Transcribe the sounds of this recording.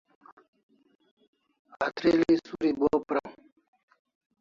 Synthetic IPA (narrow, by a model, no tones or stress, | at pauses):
at̪ɾelisuɾibopɾa